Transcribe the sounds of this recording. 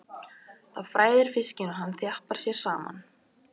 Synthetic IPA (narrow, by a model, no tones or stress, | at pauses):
θaðfɾaːjðɪɾ̥fɪscɪnɔɦanːθjahpaɾ̥sjɛɾ̥saːma̰n